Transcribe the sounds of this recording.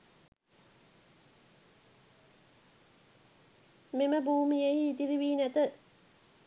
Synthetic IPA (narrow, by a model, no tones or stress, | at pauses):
meməbuːmijehiːt̪iɾiʋiːnæt̪ə